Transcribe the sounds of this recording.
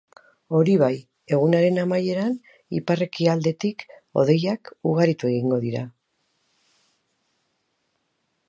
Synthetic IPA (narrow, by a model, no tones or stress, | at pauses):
o̞ɾiβ̞aj | e̞ɣ̞unaɾe̞namaje̞ɾan | iparekiald̪e̞t̪iko̞̰ðe̞jakuɣ̞aɾit̪ue̞ɣ̞iŋɡo̞ðiɾa